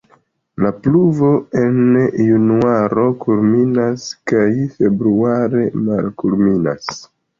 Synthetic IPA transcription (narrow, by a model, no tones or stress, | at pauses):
lapluvo̞e̞njunuaɾo̞kulminaskajfe̞bɾuaɾe̞malkulmina̰s